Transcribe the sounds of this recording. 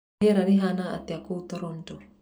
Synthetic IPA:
eɾaniɦanaa̰t̪iakut̪oɾont̪o

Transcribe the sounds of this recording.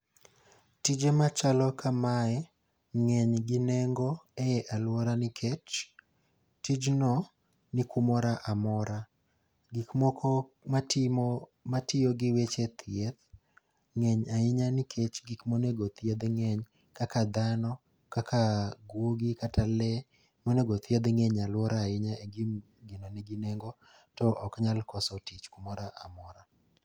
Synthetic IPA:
tid͡ʒemat͡ʃalɔkʰamaɛ | ŋɛɲɡɪnɛŋɡɔɛɛʔalwɔɾanɪkʰet͡ʃ | tid͡ʒnɔ | nɪkumɔɾaʔamɔɾa | ɡikmɔkɔma | matɪɔɡɪwet͡ʃet̪ʰjed̪ | ŋɛɲaɪɲanɪkʰet͡ʃɡikmoneɡot̪ʰjed̪ŋɛɲ | kakad̪anɔ | kakʰaɡwoɡikatalɛ | moneɡot̪jed̪ŋɛɲalwɔɾaɪɲaeɡim | ɡɪnɔnɛɡinɛŋɡɔ | tɔʔɔkɲalkɔsɔtɪt͡ʃkumɔɾaʔamɔɾa

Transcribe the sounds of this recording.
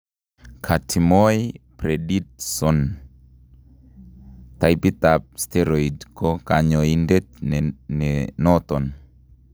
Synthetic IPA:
kʰatʰimɔjpɾedit̚sɔn | t̪ajpit̪ap̚stɛɾɔidkɔkaɲɔindetnɛnɔt̪ɔn

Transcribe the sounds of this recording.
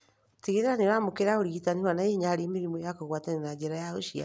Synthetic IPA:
teɣeɾeɾaneɾamokeɾaoɾiɣitanihwanajeɲaɾemiɾimojakoɣwataninad͡ʒeɾajaoʃia̰

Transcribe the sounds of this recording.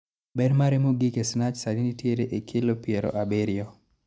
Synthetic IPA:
bɛdmaɾemoɡikesnat͡ʃsadinitjeɾeʔekʰɪlopiɛɾɔ̰ʔabeɾɪɔ

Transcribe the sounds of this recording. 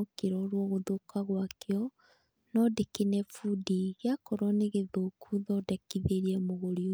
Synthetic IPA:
okeɾɔɾwɔɣoðokaɣwakeɔ | nɔdekenɛfudiɣeakɔɾɔneɣeðokʰuðɔdɛkiðeɾiɛmoɣoɾi

